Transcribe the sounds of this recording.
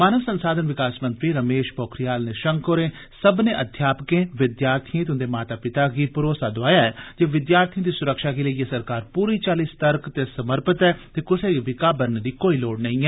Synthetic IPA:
maːnəʋsənsaːd̪ʱənʋɪkaːsmə̃nt̪ɾiːɾəmeːʃpɔːkʰɾɪjaːlneːʃəŋkoːɾẽː | səbnẽːʔəd̪ʱjaːpəkẽːʋɪd̪jaːɾt̪ʰijẽt̪ɪʊ̃nd̪eːmaːt̪aːpɪt̪aːɡiːpʊɾoːsaːd̪oaːjaːɛːd͡ʒeːʋɪd̪jaːɾt̪ʰijə̃ːd̪iːsʊɾəkʃaːɡeːləiːeːsəɾkaːɾpuːɾiːt͡ʃaːliːst̪əɾkt̪eːsəməɾpət̪ɛːt̪eːkʊseːʋɪkaːbəɾnd̪iːkoːiːloːɽnəĩːɛː

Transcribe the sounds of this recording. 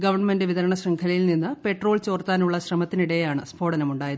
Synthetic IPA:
ɡɐʋɐrɳme̞ndɨʋiðɐɾɐɳɐɕrɐŋkʰɐlɐjilninːɨpe̞ʈro̞ːlt͡ɕo̞ːrt̪aːnuɭːɐɕrɐmɐt̪ːiniɽejjaːɳɨsbʰʱo̞ːɽɐnɐmuɳɖaːjɐ

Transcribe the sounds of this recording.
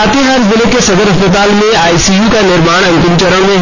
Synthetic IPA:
at̪eɦaɾzɪlekesɐd̪əɾɦɐspət̪aːlmẽaːisijukanɪɾmaːɽ̃ɐ̃ŋkɪnt͡ʃəɾəɽ̃mẽ

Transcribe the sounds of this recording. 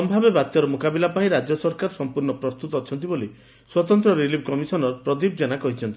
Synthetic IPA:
ɔmbʱabebat̪ːaɾɔmukabilapaĩɾad͡ʒjɔsɔɾkaɾsɔmpuɾɳɔpɾɔst̪ut̪ɔːt͡ʃʰɔnt̪̬iboli | swɔt̪ɔnt̪ɾɔɾilip̚ʰkɔmisɔnɔpɾɔd̪ib̚d͡ʒenakɔɦit͡ʃʰɔnt̪i

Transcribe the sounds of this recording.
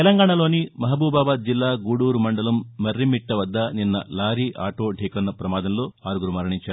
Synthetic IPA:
t̪ɛlɐŋɡaːɳɐlo̞ːnimɐɦɐbuːbaːbaːd̪̚d͡ʒilːaːɡuːɽuːɾumɐɳɖɐlɐmːɐɾːimiʈːɐʋɐd̪ːɐninːɐ̰laːɾiʔa̰ːʈo̞ːɖʱiːkɐnːɐpɾɐmaːd̪ɐmlo̞ːaːɾuɡuɾumɐɾɐɳiɲt͡ʃaːɾ

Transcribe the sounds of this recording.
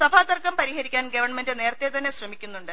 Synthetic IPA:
sɐbʱaːt̪ɐrkːɐmpɐɾihɐɾikʲːaːnɡɐʋɐrɳmendɨne̞ːrt̪ːet̪ɐnːe̞ɕrɐmikʲːunːuɳɖɨ

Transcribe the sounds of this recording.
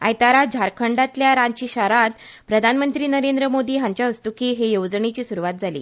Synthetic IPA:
a̰jt̪aɾad͡ʑʱaɾkʰəɳɖat̪ljaɾãɲt͡ɕiːɕaɾat̪̚ | pɾəd̪ʱanmənt̪ɾiːnəɾend̪ɾəmod̪iːɦãɲt͡ɕjaəst̪ukiɦejowd͡zɳet͡ɕiːsuɾuʋat̪̚d͡zʱalḭː

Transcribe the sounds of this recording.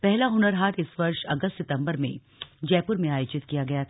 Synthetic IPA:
pɛɦlaɦʊnəɾɦaːɾɪsʋɐɾʃɐɡəst̪sɪt̪ə̃mbəɾmḛ̃ | d͡ʒɛːpʊɾmẽaːjʊt͡ʃɪt̪kijaɡɐjat̪ʰː

